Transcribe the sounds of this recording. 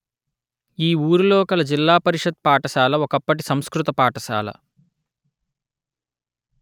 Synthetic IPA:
iːuːɾuloːkɐlɐd͡ʒilːaːpɐɾiʂɐd̪̚paːʈɐʃaːlɐɔkɐpːɐʈisɐm̃skɾut̪ɐpaːʈɐʃa̰ːlɐ̰

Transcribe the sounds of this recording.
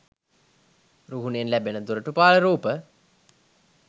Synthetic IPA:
ɾuɦunenlæbenəd̪uɾəʈupaːləɾuːpə

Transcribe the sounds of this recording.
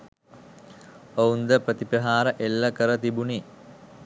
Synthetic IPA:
ound̪əpɾət̪ipəɦaːɾəʔelːəkəɾət̪ibuni

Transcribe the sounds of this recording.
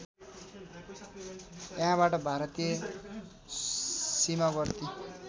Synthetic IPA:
jaɦãβaʈʌbʱaɾʌt̪ijʌ | simaɡʌrt̪i

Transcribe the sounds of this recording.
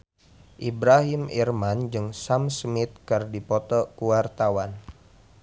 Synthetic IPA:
ʔibɾaɦimḭrmand͡ʒɨŋsamsmɪt̪̚kɨrdipɔt̪ɔkuwart̪awan

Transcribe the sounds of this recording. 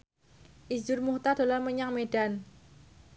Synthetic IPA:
ʔid͡ʒʊrmuht̪ad̥o̤larməɲaŋmedan

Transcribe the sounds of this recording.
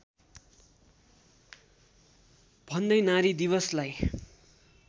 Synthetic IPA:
b̥ʱʌnd̪ʌjnaɾid̪iβʌslaj

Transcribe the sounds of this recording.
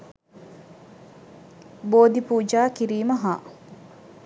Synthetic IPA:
boːd̪ipuːd͡ʒaːkiɾiːməɦaː

